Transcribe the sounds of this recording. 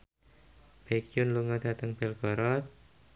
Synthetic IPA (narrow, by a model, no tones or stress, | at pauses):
b̥ekiunluŋad̪̥a̤t̪əŋb̥ɛlɡ̥ɔɾɔt̪̚